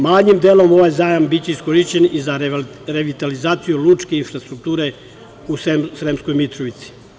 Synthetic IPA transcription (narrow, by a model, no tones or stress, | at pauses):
maːɲimd̪eːlomo̞ʋajzaːjambit͡ɕeiskoɾiʃt͡ɕeniza | ɾeʋit̪alizaːt̪sijulut͡ʃkeinfɾast̪ɾuk̚t̪uːɾe | ussɾemskojmit̪ɾoʋit̪si̥